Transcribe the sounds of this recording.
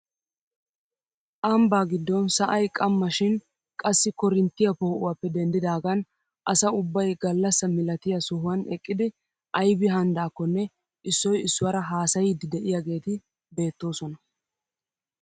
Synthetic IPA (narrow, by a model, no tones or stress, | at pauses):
ʔɐmbaːɡɪd̪ːɔnsɐʔɐjkʼɐmːɐʃɪn | kʼɐsːɪkɔɾɪnt̪ːɪjɐpoːʔʊwaːpːɛd̪ɛnd̪ɪd̪aːɡɐn | ʔɐsɐʊbːɐjɡɐlːɐsːɐmɪlɐt̪ɪjɐsʊɦʊwɐnɛkʼːɪd̪ɪ | ʔɐjbɪɦɐnd̪aːkːɔnːɛ | ʔɪsːɔjɪsːʊwɐɾɐɦaːsɐjɪd̪ɪd̪ɛʔɪjaɡe̞ːt̪ɪ | be̞ːt̪ːo̞ːsɔnɐ